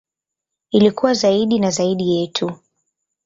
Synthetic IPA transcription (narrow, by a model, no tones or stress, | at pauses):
ilikuwazaiɗinazaiɗijɛtʰu